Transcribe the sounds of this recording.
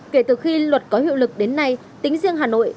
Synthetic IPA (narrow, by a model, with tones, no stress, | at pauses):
ke˧˩t̪ɨː˨˩xi˧lwə˨˩t̚kɔ˨˦hḭ˧əwlɨ˨˩k̚ɗe˨˦nːa˧j | t̪ï˨˦ŋ̟zi˧əŋɦaː˨˩no̰˧˨j